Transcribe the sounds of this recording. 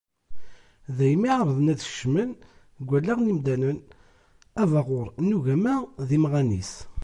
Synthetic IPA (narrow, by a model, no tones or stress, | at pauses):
ðæjmiʕɾˤəðənæðʃmən | ɡʷːælːæʁnimd̪ænən | ævɑʁʊɾˤnːuʝæmæðimʁænḭs